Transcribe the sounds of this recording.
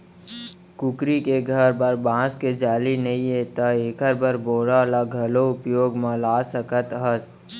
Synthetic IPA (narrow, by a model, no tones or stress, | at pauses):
kʊkɾikeɡʱəɾbəɾbãːsked͡ʒaːlinəɦĩet̪aekəɾbəɾboːɽalaɡʱɐloʊpjoːɡməlaːsəkət̪ɦəs